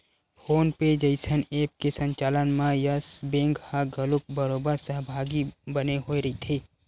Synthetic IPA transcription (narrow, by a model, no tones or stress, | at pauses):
foːnped͡ʒəɪsəneːp̚kesə̃ɲt͡ʃaːlənmãjəsbẽːŋɡhaɡɐlʊk̚bəɾoːbəɾsəɦbʱaːɡibɐneɦoːiɾɐit̪ʰeː